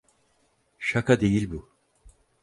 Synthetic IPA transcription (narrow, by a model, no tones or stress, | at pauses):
ʃakʰad̪e̞jilʲbu